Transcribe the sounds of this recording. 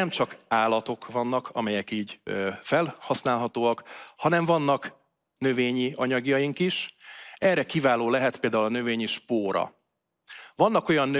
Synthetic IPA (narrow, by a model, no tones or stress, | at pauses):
ɛmt͡ʃɒkaːlɒt̪o̞kvɒnːɒkʰɒ̰mɛjɛkiːɟfɛlhɒsnaːlɦɒt̪oːɒkhɒnɛɱvɒnːɒk | nø̞veːɲiɒɲɒɡjɒjiŋkiʃɛrːɛkivaːloːlɛɦɛt̪peːld̪aːulɒnø̞veːɲiʃpoːɾɒ̰ | vɒnːɒko̞jɒnːø